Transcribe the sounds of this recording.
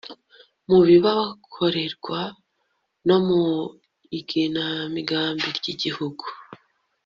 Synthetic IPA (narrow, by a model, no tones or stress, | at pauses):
muβiβawakʰo̞ɾe̞ɾɡwa | no̞mu | iɡinamiɡaːmbiɾɟiɟihuɡu